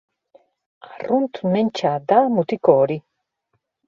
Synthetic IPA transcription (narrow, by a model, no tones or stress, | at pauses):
arunt̪unent͡ʃad̪amut̪ikoːɾi